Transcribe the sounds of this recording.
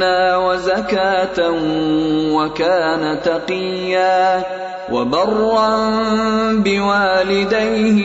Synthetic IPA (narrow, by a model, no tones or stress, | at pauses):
aːwazakaːt̪a | wakaːnat̪ɑqɪjːaː | wʔa̰bɑrˤːɑn | bɪwaːlɪd̪ajh